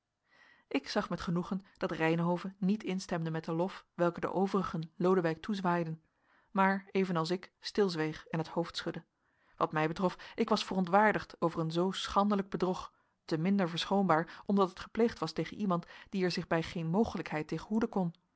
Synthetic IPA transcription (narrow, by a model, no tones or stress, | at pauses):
ʔɪksɑχmɛtχənuχənd̥ɑtrɛjnɦowvənitɪnstɛmdəmɛt̚dəlɔfʋɛlˠkədə̰ʔowvərəχənlowdəʋɛjk̚tʰuzʋaːjdən | maːɹejvənɑlˠs̬ɪkstɪlˠzʋejχɛnɦəthowftsχɵdə | ʋɑtmɛjbətrɔfʔɪkʋɑsfərɔntʋaːɹdəχtowvəɹənzowsχɑndələɡ̚bədrɔχ | təmɪndəɹvəɹsχowmbaːɹɔmdɑtətχə̥plejχtʋɑstejχənʔimɑntd̥iɛɹzɪχbɛjχejnmowχələkɦɛjteːχəɦudəkɔn